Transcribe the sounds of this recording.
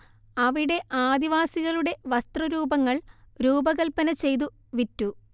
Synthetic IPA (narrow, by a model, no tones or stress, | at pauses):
ɐʋiɽe̞ʔaːd̪iʋaːsiɣɐɭuɽe̞ʋɐst̪rɐɾuːbɐŋːɐɭ | ɾuːbɐɣɐlpɐnɐt͡ɕe̞jt̪̬u | ʋitːu